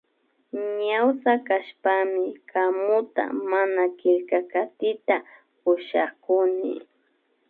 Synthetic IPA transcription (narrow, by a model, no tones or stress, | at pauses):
ɲawsakaʃpamɪkamʊt̪a̰manakɪʎkakat̪ɪt̪a | ʊʃakʊnɪ̰